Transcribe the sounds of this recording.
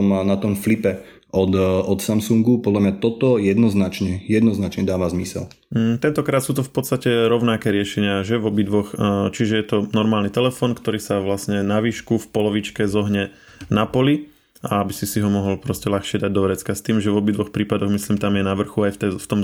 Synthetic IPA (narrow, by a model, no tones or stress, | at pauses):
mnat̪ɔmflipɛ | ʔɔd̪ɔt̪samsuŋɡupɔd̪lamɲat̪ɔt̪ɔjɛd̪nɔznat͡ʃɲɛjɛd̪nɔznat͡ʃɲɛd̪aːʋazmisɛ̰l̩ | t̪ɛnt̪ɔkɾaːt̪suːt̪ufpɔt̪st̪acɛɾɔʊnakɛːɾɪɛʃɛɲɪaʒɛʋɔbid̪ʋɔxt͡ʃiʒɛjɛt̪ɔnɔɾmaːlnit̪ɛlɛfɔːnkt̪ɔɾiːsaʋlasɲɛnaʋiːʃkufpɔlɔʋit͡ʃkɛzɔɦɲɛ | napɔli | aabisisiɦɔmɔɦɔlpɾɔscɛlaxʃɪɛd̪aɟ̚d̪ɔɾɛt͡skast̪iːmʒɛvɔbid̪ʋɔxpɾiːpad̪ɔɣmisliːmt̪amjɛnaʋr̩xuajft̪ɛft̪ɔm